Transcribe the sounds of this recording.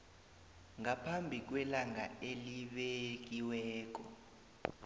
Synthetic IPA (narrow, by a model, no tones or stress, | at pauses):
ŋapʰambʱik̬wɛlaŋa̰eliɓek̬iwɛːk̬ʼɔ